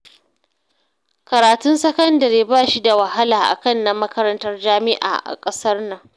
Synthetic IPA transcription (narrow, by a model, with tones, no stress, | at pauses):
kɐ˨ɾaː˨tʊ˦nsɐ˦kɐ˦ndɐ˨ɾeː˨baː˦˨ʃi˦da˨wɐ˨ɦa˦laː˨ʔa̰˨kɐ˦nːɐ˦mːɐ˦kɐ˦ɾɐ˦ntɐ˦rd͡ʒaː˦mɪ˦ʔa̰ː˨ʔa̰˨kʼɐ˦sɐ˦rnɐ˨ŋ